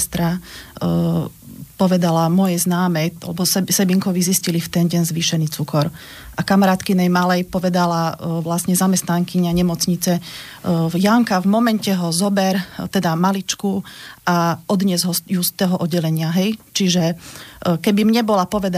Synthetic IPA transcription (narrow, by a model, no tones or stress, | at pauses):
st̪ɾa | pɔʋɛd̪alamɔjɛznaːmɛalɛbɔsɛsɛbiŋkɔʋiziscilift̪ɛnɟɛnzʋiːʃɛniːt͡sukɔɾ | ʔakamaɾaːt̪kinɛjmalɛjpɔʋɛd̪alaʋlasɲɛzamɛst̪naŋkiɲaɲɛmɔt͡sɲit͡sɛ | jaŋkavmɔmɛncɛɦɔzɔbɛɾt̪ɛd̪amalit͡ʃkuʔaɔd̪ɲɛzɦɔjust̪ɛɦɔʔɔɟɛlɛɲɪaɦɛjt͡ʃiʒɛ | kɛbimɲɛbɔlapɔʋɛd̪